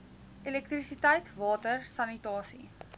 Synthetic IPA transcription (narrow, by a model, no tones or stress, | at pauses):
ʔelɛkt̪risitəjtvɑːtərsɐnitɑːsḭ